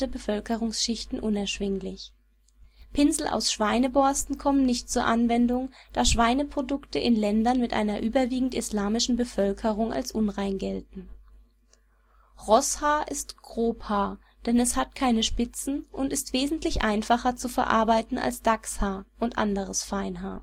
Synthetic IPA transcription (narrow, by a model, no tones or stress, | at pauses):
əbəfœlkəʁʊŋsʃɪçtn̩ʔʊnɛɐʃv̥ɪŋlɪç | pʰɪnzl̩ʔa̰ʊsʃv̥aɪnəbɔɐstn̩kʰɔmənɪçtt͡suːɐʔanvɛndʊŋd̥aːʃv̥aɪnəpʁ̥odʊktəʔɪnlɛndɐnmɪtʔa̰ɪnɐʔyːbɐviːɡŋ̩tɪslaːmɪʃn̩bəfœlkʰəʁʊŋa̰lsʔʊnʁaɪnɡɛltn̩ | ʁɔshaːʔɪstɡ̥ʁoːphaː | d̥ɛnɛshat̚kʰaɪnəʃpɪt͡sn̩ʔʊntɪstv̥eːzn̩tlɪçʔaɪnfaχɐt͡sufɛɐʔa̰ɐbaɪtn̩a̰lsd̥akshaːʔʊntʔa̰ndəʁ̞əsfaɪnɦaː